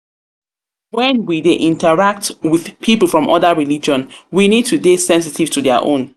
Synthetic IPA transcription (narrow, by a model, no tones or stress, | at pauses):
wɛ̃nwideʔĩntəɹak̚twið̥pʰipl̩ˠfɹɔ̃mʔɔdəɹilid͡ʒɔ̃nwinid̚tudesɛ̃ns̬itiv̥tudɛə̰ʔõ̰n